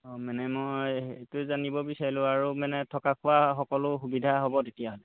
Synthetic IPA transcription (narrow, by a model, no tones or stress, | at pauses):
ɔmanɛmojetʊzanibɔbisaɹilʊ̃aɹumanɛtʰɔkakʰʊwaxɔkɔlʊxubidʱaɦobɔtetijaɦɔlɛ